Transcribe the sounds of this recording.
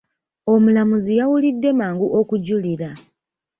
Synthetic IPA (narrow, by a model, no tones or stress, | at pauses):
o̞mulamuzijawulidːe̞maːŋɡuʔo̞kuɟuliɾa